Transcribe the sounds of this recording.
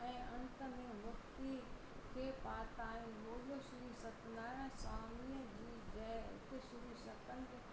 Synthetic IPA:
ɛ̃ːɐ̃nt̪ə̆mẽmʊft̪i | kʰeːpaːt̪aːĩloːlosʊɾusɐt̪naːɾãsaːmiːəd͡ʑiːd͡ʑɐɦɪ̰t̪ɪʃʊɾusɐkənd̪

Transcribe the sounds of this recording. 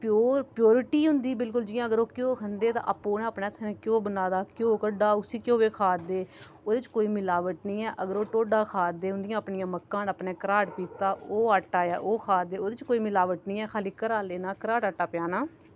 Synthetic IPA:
poːɾpjoːɾɪʈiːɦʊ̃nd̪iːbɪlkʊld͡ʒɪjãːəɡəɾoːkjõːkʰənd̪eːt̪ã̰ːʔapːoːnẽːəːpneːt̪ʰːnẽːkjõːbənaːd̪aːkjõːkəɖaːʊsiːkjõːʋeːkʰaːd̪eː | oːd̪ɪt͡ʃkoːiːmɪlaːʋəʈnĩːɛːʔəɡəɾoːʈoːɖaːkʰaːd̪eːɦʊnd̪ɪjãːəpnɪjãːməkːãːnaːpneːkəɾaːʈpiːt̪aːoːaːʈːaːjaːʔoːkʰaːd̪eːoːd̪ɪt͡ʃkoːiːmɪlaːʋəʈnĩːɛːkʰaːliːkəɾaːleːnãːkəɾaːʈaːʈːaːpɪjaːnaː

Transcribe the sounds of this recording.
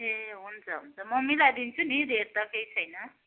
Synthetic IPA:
eɦunt͡sʰʌɦunt͡sʰʌmʌmilad̪int͡sʰunid̪ʱeɾt̪ʌkejt͡sʰʌjnʌ

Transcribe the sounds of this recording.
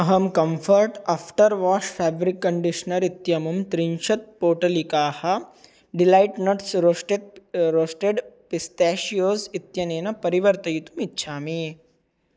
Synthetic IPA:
ɐɦɐmkɐmfʰɐɾʈafʈɐɾʋaːʃfaːbɾikːɐɳɖiʃnɐɾit̪jɐmɐmt̪ɾinʃɐt̪̚poːʈɐlikaːhɐ | ɖilaːjʈnɐʈsɾoʈet̪̚ɾoːsʈeɖpist̪ɛːʃijoːzit̪jɐneːnɐpɐɾiʋɐɾt̪ɐjit̪umitːʃʰaːmi

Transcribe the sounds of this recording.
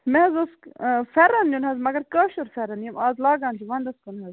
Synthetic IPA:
meɐzoskfɐɾɐnjunɦɐzmɐɡɐɾkɐːʃuɾfɐɾɐnjɐmaːzlaːɡaːnt͡ʃʰiʋɐnd̪ɐskunɦɐz

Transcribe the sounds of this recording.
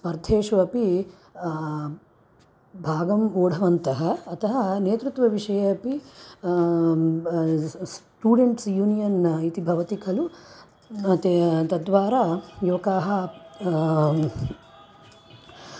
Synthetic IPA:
pɐɾd̪ʱeːʂɐɐpi | bʱaːɡɐmoːɽɐʋɐnt̪ɐɦɐːt̪ʰɐɦɐneːt̪ɾut̪ʋɐʋiʂɐjɐːpi | s | ʈuːɽeɳʈsjuːnijɐnit̪ibʱɐʋɐt̪ikʰɐlu | t̪t̪ɐd̪ʋaːɾajuːɐkaːɦɐ

